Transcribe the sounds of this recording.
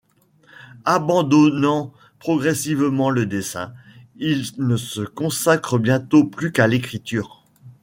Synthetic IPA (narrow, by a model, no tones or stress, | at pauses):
abɑ̃d̪ɔnɑ̃ | pχɔɡʁɛsivmɑ̃ləd̪esɛ̰̃ilnəsəkɔ̃sakχəbjɛ̃t̪oplykalekχit̪yːʁ